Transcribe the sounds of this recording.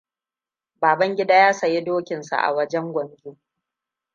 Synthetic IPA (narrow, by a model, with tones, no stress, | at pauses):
baː˨bɐ˦ŋɡʲɪ˦daː˦jaː˦sɐ˨je˦doː˦kʲɪ˨nsa̰˨ʔa̰˨wɐ˦d͡ʒɛ˦ŋɡʷɐ˨ŋɡʲoː˦